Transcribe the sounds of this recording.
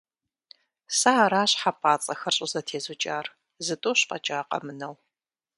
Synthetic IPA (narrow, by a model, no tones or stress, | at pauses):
saaɾaːɕħapʼaːt͡sʼɐxɐrɕʼɪzɐtʰeːzʊt͡ʃʼaːr | zɨtʼoːɕqʼɐt͡ʃʼaːqʼɐ̰mɨnɐw